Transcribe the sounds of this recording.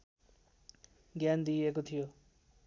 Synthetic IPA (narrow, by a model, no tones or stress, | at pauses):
ɡjand̪iekot̪ʰijo